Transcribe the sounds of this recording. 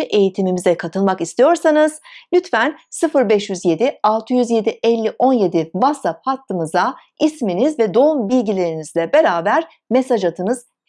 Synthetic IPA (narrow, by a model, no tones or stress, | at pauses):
iʔe̞jit̪ʰimimizɛkʰat̪ʰɯlˠmakist̪ʰijo̞ɾsanɯz̥lʲyt̪fænsɯfɯɾbɛʃjyzje̞d̪ɪalˠt̪ʰɯjyzje̞d̪iʔɛlʲːiʔo̞nje̞d̪ivasaphat̪ʰːɯmɯza | isminizvɛd̪o̞umbilʲɟilʲe̞ɾinizlʲɛbe̞ɾaːbæɾ | me̞sad͡ʒat̪ʰɯnɯz